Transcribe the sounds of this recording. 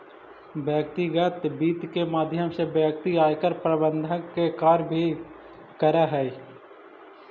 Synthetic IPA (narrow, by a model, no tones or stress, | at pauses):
bəːk̚t̪iɡət̪biːt̪kemaːd̪ʱjəmsebjək̚t̪iaːjkəɾpɾəbənd̪ʱəkekaːɾbʱi | kəɾaɦɛː